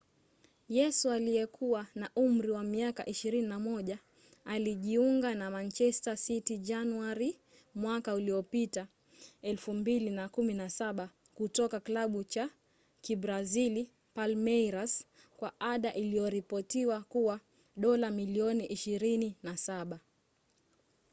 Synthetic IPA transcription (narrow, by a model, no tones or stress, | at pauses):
jɛsualijɛkʰuwanaʔum̩ɾiwamiaka̰ʔiʃiɾininamɔʄa | aliʄiuŋɡanamant͡ʃɛstasitid͡ʒanuaɾi | mwakauliɔpita | ɛlfumbilinakuminasaɓa | kutɔkaklaɓut͡ʃa | kibɾazili | palmɛjɾas | kwaʔaɗaʔilijɔɾipɔtiwakuwa | ɗɔlamiliɔniʔiʃiɾininasaɓa